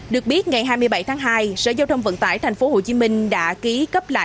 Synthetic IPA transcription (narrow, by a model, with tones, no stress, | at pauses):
ɗɨ˨˩ək̚ɓi˦˥ət̚ŋa˨˩jɦaː˧jmɨ˧əjɓa˧˩jt̪ʰaː˨˦ŋɦaː˧jsə̰ː˧˩zaː˧wt̪ʰwŋ͡mvə̰˧˨˥nt̪a̰ː˧˩jt̪ʰjŋ̟fo˨˦ho˨˩t͡ɕi˨˦mï˧ŋ̟ɗa̰ː˧˥ki˨˦kə˦˥p̚la̰ː˧˨